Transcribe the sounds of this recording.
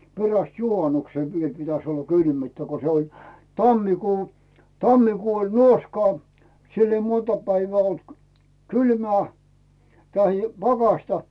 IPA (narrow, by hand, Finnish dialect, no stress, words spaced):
peræst juhɑnukseˑ ʋiel pitæs olːɑ kylmyːtːæ ko se olʲ tɑmːikuː tɑmːikuː olʲ nuoskɑː silː ei montɑ pæiʋæː olt kylmæː tɑhi pɑkɑsʲtɑ